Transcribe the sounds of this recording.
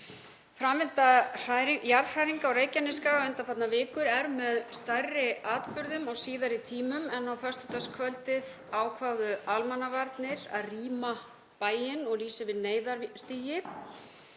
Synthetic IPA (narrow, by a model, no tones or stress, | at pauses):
fɾamvɪnt̪ar̥ajɾjaɾr̥ajɾiŋkaawɾeːjcanɪskavɛnt̪afat̪navɪːkʏɾɛɾmɛðst̪ajrːɪaːt̪pʏɾðʏmɔɣsiːðaɾit̪ʰiːmʏmɛnːawfœst̪ʏt̪askʰvœlt̪ɪð | aːwkʰvaːɣðʏalmanːavaɾt̪nɪɾa̰ðriːma | paːjɪnɔɣliːsɪvɪðneːjðaɾst̪iːjɪ